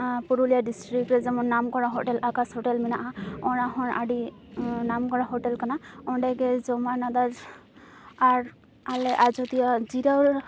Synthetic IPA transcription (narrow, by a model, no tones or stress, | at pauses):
puɹulijadistɹikɹɛzamɔnnːamkɔɹaɦɔʈɛlʔakashɔʈɛlminaʔaɔɹaɦɔ̃ɹa̰dinamkɔɹaɦɔʈɛlkanaɔndaɡɛzɔmaɹnad̪az | aɹ | alɛʔazɔtijazidawɹ